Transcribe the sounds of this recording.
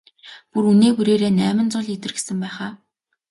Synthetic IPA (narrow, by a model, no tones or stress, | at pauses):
puɾuneːpuɾeːɾeːnæːmɪ̆nt͡sʊɮit̪ɘ̆rɡesɘ̆mpæːχaː